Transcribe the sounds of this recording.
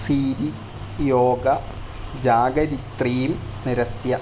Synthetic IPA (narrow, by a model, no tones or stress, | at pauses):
siːɾi | joːɡɐ | d͡ʑaːɡɐɾit̪riːmniɾɐsjɐ